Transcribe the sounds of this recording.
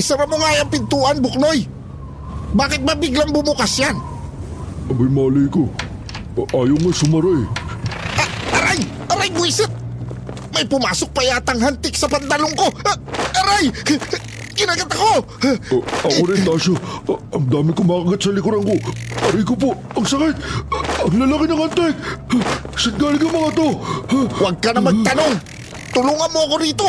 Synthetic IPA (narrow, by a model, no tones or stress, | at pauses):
ʔɪsɐmɐmoŋajɐŋpɪnt̪uːʔɐnbʊk̚noj | baːkɪt̪̚mɐbiɡlɐŋbʊmʊkasjan | ɐbɐjmaːlijko | ʔaːjoŋɐjsʊmɐɾaj | ʔaʔɐɾaj | ʔɐɾajbʊisɛt̪̚ | mɐjpʊmaːsok̚pɐjat̪ɐŋɦant̪ɪksɐpɐnt̪ɐloŋko̞ʔɐɾaj | kɪnaɡat̪ɐko̞ | ʔɐkonɐt̪aːʃoɐmd̪aːmɪŋkomakɐɡat̪sɐlɪkʊɾɐŋko̞ʔɐɾikop̬o | ɐŋsɐkɪt̪̚ɐŋlɐlakɪnɐŋɐnt̪ɛɡ̚ | sɐnɡaːlɪɡɐŋmɐŋɐt̪owɐɡ̚kɐnɐmɐt̪ɐno̞ŋ | t̪ʊluŋɐnmoɐko̞ɾiːt̪o̞